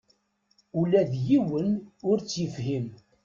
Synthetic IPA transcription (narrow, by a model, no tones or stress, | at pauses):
ulæðjiwənʊɾt͡sːjəfhim